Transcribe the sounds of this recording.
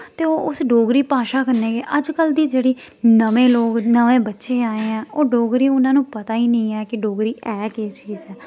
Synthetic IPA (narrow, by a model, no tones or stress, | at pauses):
t̪eːoːʔʊsɖoːɡɾiːpaːʃaːkəɾneːɡeːʔəd͡ʒkəld̪iːd͡ʒeːɽiː | nəʋẽːloːɡnəʋẽːbətːʃeːaːeːɛ̃ːoːɖoːɡɾiːʊnãːnũːpət̪aːiːnəĩːɛːkɪɖoːɡɾiːʔɛːkeːt͡ʃiːzɛː